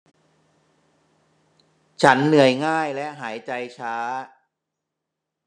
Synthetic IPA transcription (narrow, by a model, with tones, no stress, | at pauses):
t͡ɕʰa˦˥nːɯ˨˩əjŋaː˥˩jlɛ˦˥ʔɦaː˩˦jt͡ɕa˧jt͡ɕʰaː˦˥